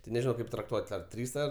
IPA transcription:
tʲɪ nʲɛʒʲɪˈnɐʊ ˈkɐɪp trɐkˈtuɔtʲ ɐr ˈtʲrʲiːs ɐr

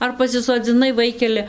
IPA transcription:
ˈɐr pɐsʲɪsoːd͡zʲɪˈnɐɪ ˈʋɐɪkʲɛlʲɛ

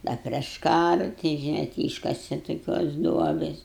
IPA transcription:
ˈdɐ pʲrʲiɛʃ ˈkɑːrɐ tʲɪ ʒʲɪˈnɐɪ tʲɪ ˈiːʃkɐsʲɛ toːˈkʲoːs ˈduɔbʲeːs

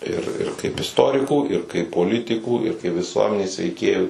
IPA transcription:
ɪr ɪr kɐɪp ɪsˈtoːrʲɪkuː ɪr kɐɪp poːˈlʲɪtʲɪkuː ɪr kɐɪ ʋʲɪˈsuɔmʲɛnʲeːs ʋʲɛɪˈkʲeːjuː

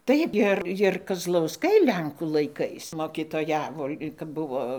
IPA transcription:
ˈtɐɪp ɪr ɪr kɐzlˠɐʊˈskɐɪ ˈlʲɛŋkuː lˠɐɪˈkɐɪs moːkʲɪtoːˈjæːʋoː kɐp ˈbʊʋoː

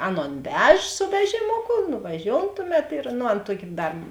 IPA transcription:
ˈɑːˌnoːn ˈʋʲɛʃ sʊ ˈʋʲæːʒʲɪmoːkʊ nʊʋɐˈʒʲoːʊn ˈtʊˌmʲɛt ɪr nʊ ˈɐn ˈtuɔkʲɪ ˈdɐr

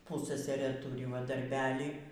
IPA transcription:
ˈpʊssɐsɐrɘ ˈtʊrʲɪ ʋɐ dɐrʲˈbʲæːlʲiː

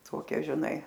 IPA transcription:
ˈtoːkʲɛ ʒʲɪˈnɐɪ

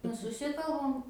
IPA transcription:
ˈnʊ sʊˈsʲɪkɐlˠbɐm

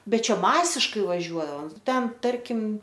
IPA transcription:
ˈbʲɛt ˈt͡ʃʲɛ ˈmɑːsʲɪʃkɐɪ ʋɐˈʒʲuɔɐoːm ˈtʲɛn ˈtɐrʲkʲɪm

